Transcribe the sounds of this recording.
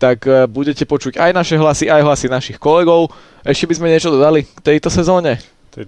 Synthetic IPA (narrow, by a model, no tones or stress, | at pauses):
t̪akbuɟɛcɛpɔt͡ʃuɟajnaʃɛɦlasiʔajɦlasinaʃixkɔlɛɡɔʊ | ʔɛʃcɛbizmɛɲɪɛt͡ʃɔd̪ɔd̪alikt̪ɛjt̪ɔsɛzɔːɲɛ